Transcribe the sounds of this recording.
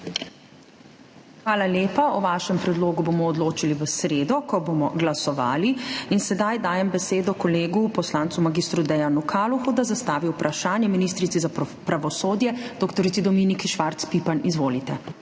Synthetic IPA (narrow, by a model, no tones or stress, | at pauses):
xʋaːlaljeːpaɔʋaːʃɛmpɾɛd̪loːɡubomɔːd̪loːt͡ʃiliʋəsɾeːd̪ɔkɔbomɔɡlasɔʋa̰ːliinsɛd̪ajd̪aːjɛmbɛseːd̪ɔkɔleːɡupɔslaːnt̪sumaɡist̪ɾud̪ɛjanukʰaːluxud̪azast̪aːʋiwpɾʔaʃaːnjɛminis̬t̪ɾit̪sizapɾaʋɔsoːd̪jɛd̪ɔkt̪ɔɾit̪id̪ɔmiːnikʃʋaɾt̪spiːpanizʋoːlit̪ɛ